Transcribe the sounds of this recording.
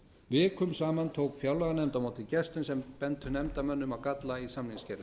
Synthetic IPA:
vɪːkʰʏmsaːmant̪ʰoːwkfjawlɛɣanɛmt̪amoːwt̪ɪcɛst̪ʏnsɛmpɛnt̪hʏnɛmt̪amœnːʏmawkat̪laisamniŋscɛɾðɪ

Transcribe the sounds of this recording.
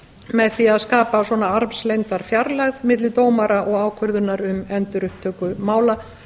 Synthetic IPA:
mɛðθiaðskaːpasɔnaaɾvslejnt̪aɾ̥fjaɾlaɣðmɪt̪̬lɪt̪oːwmaɾaʔɔɣaːwkʰʏɾðʏnaɾʏmɛnt̪ʏɾʏhpt̪ʰːœːkʏmaːwla

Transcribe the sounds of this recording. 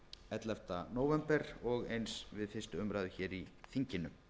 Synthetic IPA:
ɛt̪lɛft̪anoːwvɛmpɛɾɔɣejnsvɪðfɪrst̪ʏʏmɾaðʏçɛːɾiθiɲcɪnʏ

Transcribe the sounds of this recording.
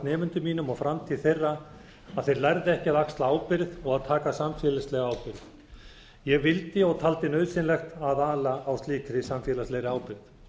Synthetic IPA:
nɛːmʏnt̪ʏmiːnʏmɔɣfɾamt̪ʰiːðθejrːa | aðθejɾlaɾðɪɛhcɪaðakst̪laaːwpɪɾðɔɣaðt̪ʰaːkasamfjɛːlɪslɛɣaaːwpɪɾð | jɛɣvɪlt̪ɪɔɣt̪ʰalt̪ɪnœɥðsɪnlɛxt̪aðaːlaːwst̪iːkɾɪsamfjɛːlaslejɾɪaːwpɪɾð

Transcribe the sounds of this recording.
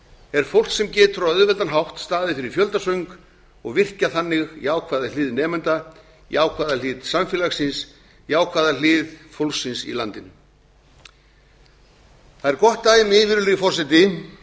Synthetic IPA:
ɛɾ̥fowl̥ksɛmcɛːt̪ʏɾaœðvɛlt̪anɦawht̪st̪aːðɪfɪɾɪɾ̥fjœlt̪asœɥŋk | ɔɣvɪr̥caθanːɪɣjaːwkʰvaːðalɪːðnɛːmɛnt̪a | jaːwkʰvaːðalɪːðsamfjɛlaxsɪns | jaːwkʰvaːðalɪːðfowlksɪnsḭla̰nt̪ɪn | θaðɛɾkɔht̪ːaːjɪmɪːvɪɾlʏjfɔsɛt̪̬ɪ

